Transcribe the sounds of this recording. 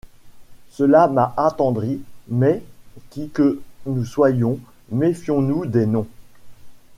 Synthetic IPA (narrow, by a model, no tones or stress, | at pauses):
səlamaʔat̪ɑ̃d̪ʁimɛkʲikənuswajɔ̃ | mefjɔ̃nud̪enɔ̃